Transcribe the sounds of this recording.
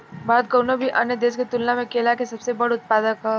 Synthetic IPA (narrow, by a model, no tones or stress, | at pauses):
baːd̪̚kɐɾnobʱiʔɐnjəd̪eːsket̪ʊlnamẽkeːlakesɐbsebɐɽʊt̪̚paːd̪əkɦɛ